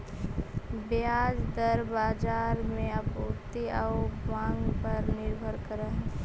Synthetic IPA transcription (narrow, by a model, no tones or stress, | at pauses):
bjaːd͡ʒd̪əɾbaːd͡ʒaːɾmẽəpoːt̪iəʊmãːŋɡpəɾnɪɾbʱəɾkəɾaɦ